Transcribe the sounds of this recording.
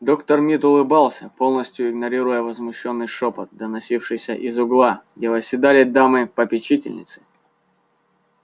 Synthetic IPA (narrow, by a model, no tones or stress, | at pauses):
d̪o̞kt̪ərmʲit̪ʊlˠɨbalˠsʲəpo̞lˠnəsʲtʲjʊɪɡnɐɾʲiɾʊjəvəzmʊɕːo̞nːɨjʂopət̪̚d̪ənɐsʲifʂɨjsʲə̰ʔɪzʊɡlˠaɡdʲevəsʲːɪd̪alʲɪd̪amɨpəpʲɪt͡ɕitʲɪ̰lʲnʲɪ̰t̪sɨ̥